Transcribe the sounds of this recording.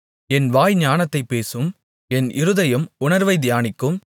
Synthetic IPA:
ɛnʋaːjɲaːnɐt̪ːɐɪpːeːsɯm | ɛnʔɪɾɯðɐjɯmʊnɐɾʋɐɪd̪ɪjaːnɪkːɯm

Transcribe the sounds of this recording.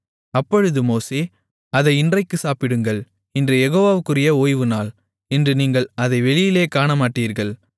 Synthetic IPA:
ɐpːɔɻɯðɯmoːseː | ɐðɐɪɪndrɐɪkːɯsaːpɪɽɯŋɡɐɭ | ɛndrɯjɛɣoːʋaːʋɯkːɯrɪjɐoːjʋɯnaːl | ɛndrɯniːŋɡɐɭɐðɐɪʋɛɭɪjɪleːkaːɳɐmaːʈːiːɾɣɐɭ

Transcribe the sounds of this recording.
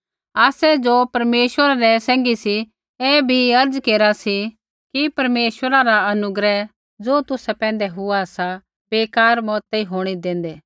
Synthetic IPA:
aːsɛd͡ʒopɐɾmeːʃwəɾaɾɛsɛ̃ːŋɡisi | ɛːbʱiɐɾd͡zkeːɾasi | kipɐɾmeːʃwəɾaɾaɐnʊɡɾɛ | d͡zoːt̪ʊsɛpɛ̃ːnd̪ɛɦʊasa | beːkaːɾmɔːt̪eiɦoːɽ̃id̪ẽːn̆d̪eː

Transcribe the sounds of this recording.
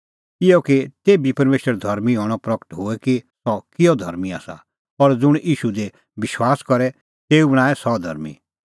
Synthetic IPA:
ɪjɔkit̪eːbipɐɾmeːʃəɾd̪ʱɐɾmiɦɔːɽ̃ɔpɾɐkə̥ʈɦʊɛkisɔkɪjɔd̪ʱɐ̰ɾmia̰ːsa̰ | pɔɾd͡zʊɽ̃ʔiːʃud̪e | bɪʃwaːskɔɾɛ | t̪eːubɐɽ̃aːɛsɔd̪ʱɐ̰ɾmḭ

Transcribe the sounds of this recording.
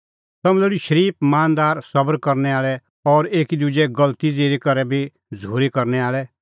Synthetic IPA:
t̪ɐmɛ̃lɛɽiʃəɾiːp̚maːnd̪aːɾsɐbəɾkɐɾnɛaːɭɛ | ɔɾeːkid̪ud͡ʒɛɡɐlt̪id͡zeːɾikɐɾɛbʱi | d͡zʱoːɾikɐɾnɛaːɭɛ

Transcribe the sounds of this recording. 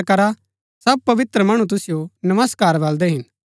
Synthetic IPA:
kɐɾa | sɐb̚pɐʋɪt̪ɾəmɐːɽ̃ut̪̬ʊsɪjonɐməskaːɾʋɐld̪eɦɪn

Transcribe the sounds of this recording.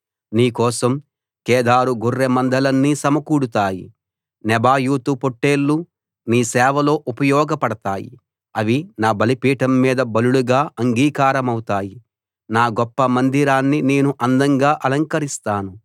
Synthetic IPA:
niːkɔːsɐm | kɛːd̪aːɾuɡʱurːemɐnd̪ɐlɐnːisɐmɐkuːɽut̪aːjḭ | nɛbaːjuːt̪upoʈːe̞ːlːu | niːsɛːʋɐlo̞ːʔupɐjɔːɡɐpɐɽɐt̪aːjḭ | ɐʋinaːbɐlipiːʈɐmːiːd̪ɐbɐluɭuɡaːʔɐŋɡiːkaːɾɐmɐwut̪aːji | naːɡɔpːɐmɐnd̪iɾaːnːine̞ːnuʔɐnd̪ɐŋɡaːʔɐlɐŋkɐɾist̪aːnu

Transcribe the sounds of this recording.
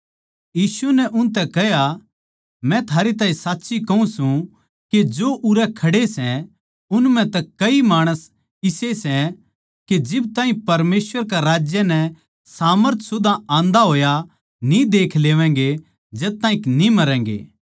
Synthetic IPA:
jiːsunɛʔʊnt̪̬ɛkɐɦja | mɛ̃t̪ʰaːɾet̪aːĩsaːtːsikɐũsũ | ked͡ʒoʔʊɾɛkʰɐɽesɛ̃ | ʊnmɛ̃t̪ɐkːɐimaːɽ̃əs | ɪsesɛ̃ | ked͡ʒɪbt̪ãːɦĩpɐɾmeːsʋəɾkaɾaːd͡ʒjənɛ | saːməɾt̪ʰsʊd̪aãːnd̪aɦoːja | nĩd̪eːkʰleːʋɛ̃ŋɡe | d͡ʒɛt̪ːãːĩknĩmɐɾɛ̃ːŋɡḛː

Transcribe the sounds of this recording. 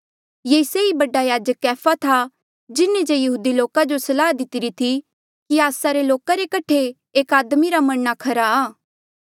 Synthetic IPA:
jeːseibɐɖajaːd͡ʒəkːɛːpʰat̪ʰa | d͡ʒɪnːed͡ʒejɐɦuːd̪iloːkad͡ʒosɐlaːɦd̪ɪt̪ɪɾit̪ʰi | kiaːsaɾeloːkaɾekɐʈʰe | eːkaːd̪miɾamɐɽnakʰɐɾaaː

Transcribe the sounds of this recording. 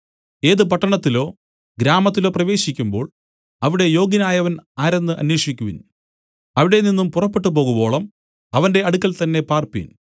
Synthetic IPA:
e̞ːðɨp̬ɐʈːɐɳɐt̪ːilo̞ː | ɡɾaːmɐt̪̬ːilo̞ːprɐʋe̞ːɕikʲːumbo̞ːɭ | ɐʋiɽe̞jo̞ːɡinaːjɐʋɐnaːɾe̞nːɨʔɐ̰nweːʂikʲːuʋḭn | ɐʋiɽe̞ninːumpurɐpːe̞ʈːɨp̬o̞ːɣubo̞ːɭɐm | ɐʋɐnde̞ɐɽukːɐlt̪ɐnːe̞paːrpḭn

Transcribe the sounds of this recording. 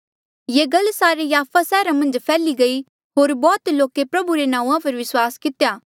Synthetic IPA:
jeːɡɐlsaːɾejaːpʰasɛːɾamɐ̃nd͡ʒpʰɛːliɡɐi | ɦoːɾbɔːt̪loːkepɾɐbuɾenãːũãpɐɾʋɪswaːskɪt̪ejaː

